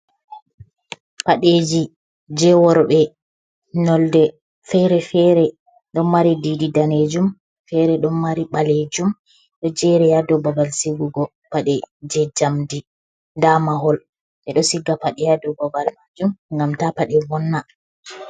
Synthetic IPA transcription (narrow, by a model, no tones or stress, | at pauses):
paɗed͡ʒi | d͡ʒɛwɔɾɓɛ | nɔldɛ | fɛɾɛfɛɾɛ | ɗɔnmaɾidididaned͡ʒum | fɛɾɛɗɔnmaɾiɓaled͡ʒum | ɗɔd͡ʒɛɾɛjadɔbabalsiɡuɡɔ | paɗɛd͡ʒɛd͡ʒamdi | damaɦɔl | ɓɛɗɔsiɡːapaɗɛjadɔbabalmad͡ʒumŋɡamtapaɗɛvɔnːa